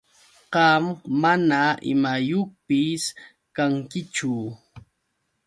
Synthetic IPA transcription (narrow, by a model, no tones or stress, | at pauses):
qɑmːanaɪ̰majoχpɪs | kaŋkɪt͡ʃʊ